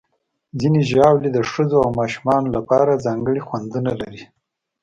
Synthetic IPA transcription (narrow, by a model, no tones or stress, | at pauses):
zineʒɑwlid̪əʂəzoawmɑʃumɑnolapɑɾazɑŋɡəɽixwand̪unalaɾi